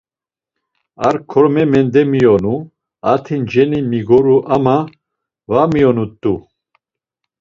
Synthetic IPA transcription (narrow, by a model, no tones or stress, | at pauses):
aɾkʰɔɾmɛmɛnd̪ɛmijɔnu | at̪ʰind͡ʒɛnimiɡɔɾuʔama | vamijɔnut̪ʼːu